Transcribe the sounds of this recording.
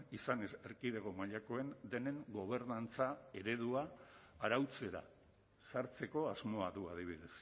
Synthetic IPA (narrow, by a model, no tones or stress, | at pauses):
isanese̞ɾkiðeɣ̞o̞maʎako̞e̞nd̪e̞ne̞ŋɡo̞β̞e̞ɾnant͡sae̞ɾe̞ð̞uaːɾawt͡se̞ɾa̰ | saɾt͡se̞ko̞azmo̞aðuað̞iβ̞iðe̞s